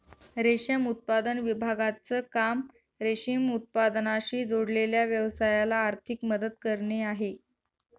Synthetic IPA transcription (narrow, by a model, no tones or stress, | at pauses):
ɾeɕəmut̪̚pad̪ənʋibʱaɡat͡səkam | ɾeɕimut̪̚pad̪naɕiːd͡zoɽleljaʋjəʋsajalaːɾt̪ʰikməd̪əd̪̚kəɾɳeaɦe